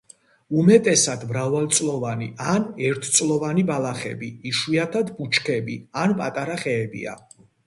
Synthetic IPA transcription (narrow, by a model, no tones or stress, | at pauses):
umɛt̪ʼɛsad̪mɾavalˠt̪sʼlɔvanianɛɾt̪ʰt̪sʼlˠɔvanibalaχɛ̰biːʃwiat̪ʰad̪but͡ʃʰkʰɛbḭanpʼat̪ʼaɾaχɛːbḭa̰